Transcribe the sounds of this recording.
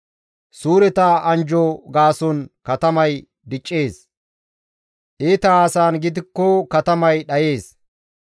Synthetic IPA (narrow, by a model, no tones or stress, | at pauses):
suːɾɛt̪ɐʔɐnd͡ʒɔɡaːsɔnkɐt̪ɐmɐj | d̪ɪt͡ʃʼːe̞ːs | ʔeːt̪ɐaːsaːnɡɪd̪ɪkːɔkɐt̪ɐmɐjɗɐjeːs